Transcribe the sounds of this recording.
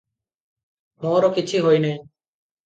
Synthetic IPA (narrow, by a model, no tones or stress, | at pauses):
moːɾokɪt͡ʃʰiːɦojneː